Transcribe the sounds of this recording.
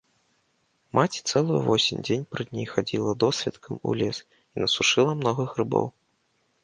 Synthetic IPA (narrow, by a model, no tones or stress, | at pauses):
mat͡sʲt̪sɛlˠujṵvɔsʲimʲd͡zʲenʲpɾɨd̪ʲnʲejxad͡zʲilˠɐd̪ɔsʲvʲɛt̪kʰɐmṵlʲɛs | inɐsuʂɨlˠɐmnɔɣɐɣrɨbɔ̰w